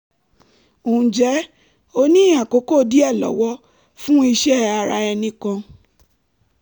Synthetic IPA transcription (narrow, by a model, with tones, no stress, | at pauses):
õ˨d͡ʒɛ˨˦ | o˦nĩ˦ã˨ko˨˦ko˦˨di˦ɛ˦˨lɔ̰˨˦wɔ˦ | fũ˦i˧ʃɛ˦a˧ɾa̰˧˦ɛ˧nĩ˧˦kã˧